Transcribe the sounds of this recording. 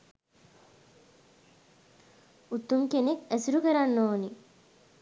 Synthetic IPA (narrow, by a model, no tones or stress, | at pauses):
ut̪ːumkenekæsiɾukəɾanːoːni